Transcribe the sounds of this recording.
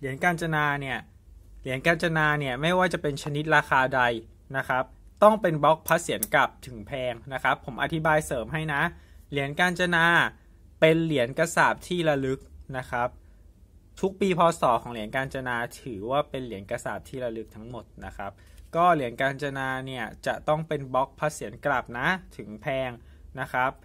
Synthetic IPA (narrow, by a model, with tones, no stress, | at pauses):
li˨˩˦ənkaː˧nt͡ɕa˧naː˧ni˥˩ɐ | li˨˩˦ənkaː˧nt͡ɕa˧naː˧ni˥˩ɐma˥˩jwaː˥˩t͡ɕa˨˩pe˧nt͡ɕʰa˧ni˦˥t̪̚ɾaː˧xaː˧da˧j | na˦˥kʰa˦˥p̚ | t̪ɔ˥˩ŋpe˧nbɔ˦˥k̚pʰa˦˥t̪̚si˨˩˦ənka˨˩p̚t̪ʰɯ˩˦ŋpʰɛː˧ŋna˦˥kʰɾa˦˥pʰːo˩˦mʔa̰˨˩t̪ʰi˦˥baː˧jsɤː˩˦mɦa˥˩jna˦˥li˨˩˦ənkaː˧nt͡ɕa˧naː˧ | pe˧nli˩˦ənka˧saː˨˩p̚t̪ʰiː˥˩ɾa˧lɯ˦˥k̚na˦˥kʰa˦˥p̚ | t̪ʰu˦˥k̚piː˧pʰɔː˧sɔː˩˦kʰɔː˩˦ŋli˨˩˦ənkaː˧nt͡ɕa˧naː˧t̪ʰɯː˩˦waː˥˩pe˧nli˨˩˦ənka˧saː˨˩p̚t̪ʰiː˥˩ɾa˧lɯ˦˥k̚t̪ʰa˦˥ŋmo˨˩t̪̚na˦˥kʰɾa˦˥p̚kɔː˥˩li˩˦nkaː˧nt͡ɕa˧naː˧ni˥˩ɐt͡ɕa̰˨˩t̪ɔ˥˩ŋpe˧nbɔ˦˥k̚pʰːa˦˥si˨˩˦nkla˨˩p̚na˦˥t̪ʰɯ˩˦ŋpʰɛː˧ŋ | na˦˥kʰɾa˦˥p̚